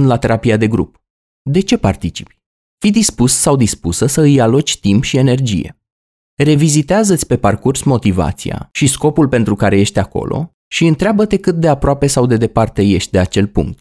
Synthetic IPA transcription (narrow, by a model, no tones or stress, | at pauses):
nlat̪e̞ɾʔapiad̪e̞ɡɾṵp | d̪e̞t͡ʃe̞part̪it͡ʃi̥p | fid̪ispussawd̪ispusəsəɨjalot͡ʃʲt̪impʃie̞ne̞rd͡ʒḭje̞̰ | re̞vizit̪eazət̪sʲpe̞parkursmo̞t̪iva̰t̪sḭja̰ʃisko̞pulpe̞nt̪ɾukaɾe̞je̞ʃt̪ʲako̞̰lʔo̞̰ | ʃiɨnt̪ɾeabət̪e̞kɨt̪̚d̪e̞apɾoape̞sawd̪e̞d̪e̞part̪e̞je̞ʃt̪̚ʲd̪e̞at͡ʃe̞lpṵŋk̚t̪̚